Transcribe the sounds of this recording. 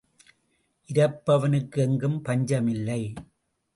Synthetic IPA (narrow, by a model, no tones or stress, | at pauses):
ʔɪɾɐpːɐʋɐnɯkːɯɛŋɡɯmpɐɲd͡ʒɐmɪlːɐɪ